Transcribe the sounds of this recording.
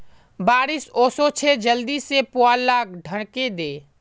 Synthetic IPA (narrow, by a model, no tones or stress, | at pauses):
baːɾɪsoːsot͡ʃʰed͡ʒəld̪isepoaːlːaːɡ̚ɖʱəɽked̪eː